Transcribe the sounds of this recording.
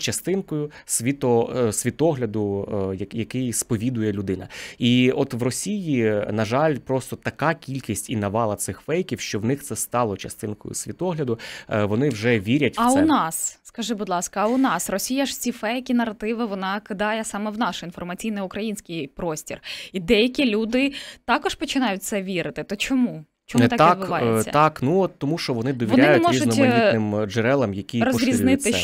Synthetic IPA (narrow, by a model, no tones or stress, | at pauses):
t͡ʃɐst̪ɪnkɔjʊsʲʋʲit̪ɔsʲʋʲit̪ɔɦlʲɐd̪ʊjɐjɐkɪjspɔʋʲid̪ʊjɛlʲʊd̪ɪnɐ̰iɔt̪ʋrɔsʲijinɐʒɑlʲpɾɔst̪ɔt̪ɐkɑkʲilʲkʲisʲtʲinɐʋɑlˠɐt̪sɪxfɛjkʲiwʃt͡ʃɔwnɪxt̪sɛst̪ɑlˠɔt͡ʃɐst̪ɪnkɔ̰jʊ̰sʲʋʲit̪ɔɦlʲɐd̪ʊʋɔnɪwʒɛʋʲiɾʲɐtʲɐʊɛnɑsːkɐʒɪbʊd̪lˠɑskɐɐʊnɑsrɔsʲijɐʐt͡sʲifɛjkʲinɐrɐt̪ɪʋɪʋɔnɑkɪd̪ɑjɛsɑmɛwn̪ɑʃinfɔrmɐt͡sʲijnɪjʊkɾɐjinʲsʲkʲɪjpɾɔsʲtʲirid̪ɛjɐkʲilʲud̪ɪt̪ɑkɔʃpɔt͡ʃɪnɑjʊt̚ʲt̪sɛʋʲiɾɪt̪ɪt̪ɐt͡ʃɔmu | t͡ʃɔmnɛt̪kt̪ɑd̪bɪʋɑjesːɐ̰t̪ɑknuɔt̪ːɔmuʃt͡ʃɔʋɔnɪd̪ɔʋʲʋɔnɾʲɪanj̪ʊtmɔɾizʒʊid̪nɪmd͡ʒɛɾɛlˠɐmjɐkʲijrɔzʲɾʲiznɪt̪ɪ